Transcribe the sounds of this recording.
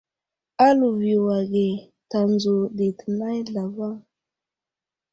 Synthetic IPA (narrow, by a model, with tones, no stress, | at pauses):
a˦lu˨vi˨wa˨ɡe˨ | ta˨nzu˨di˨tə˨na˦jɮa˨va˦ŋ